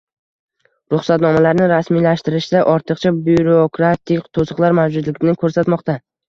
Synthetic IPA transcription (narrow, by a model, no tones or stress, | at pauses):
ɾʊχsat̪nɒmalaɾnɪɾasmilaʃt̪ɪɾɪʃd̪aʔɒɾt̪ʰɨqt͡ʃʰabuɾokɾat̪ʰɪkʲt̪ʰosɨqlˠaɾmawd͡ʒʊd̪lɪɡʲɪnɪkʰɵɾsat̪mɒqt̪a